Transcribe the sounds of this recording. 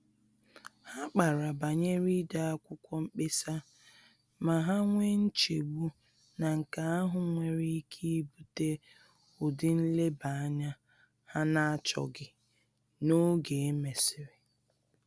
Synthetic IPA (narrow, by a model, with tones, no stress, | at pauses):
ha˦k͡pa˨ɾa˨ba˨ɲe˦ɾi˦da˨a˦kʷʊ˦kʷɔ˦m̩˦k͡pe˦sa˦ | ma˨ɦa˦ŋʷe˦n̩˦t͡ʃe˨ɡ͡bu˦ | na˨ŋ̩˨ka˨a˦ɦʊ˨ŋʷe˨ɾi˦i˦kʰi˦bu˦te˦ | ʊ˨dɪ˦n̩˦le˦ba˨a˦ɲa˦ | ha˦na˦t͡ʃɔ̰˨ɡɪ˦ | no˦ɡe˨e˦me˨sɪ˨ɾɪ˨